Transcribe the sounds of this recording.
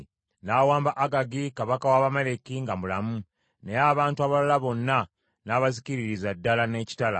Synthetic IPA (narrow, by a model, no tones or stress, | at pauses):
nawaːmbaʔaɡaɡikaβakawaβamele̞kiŋɡamulamu | nejaβaːntuaβalalaβo̞nːa | naːβaziciɾiɾizadːalane̞ːci̥tala̰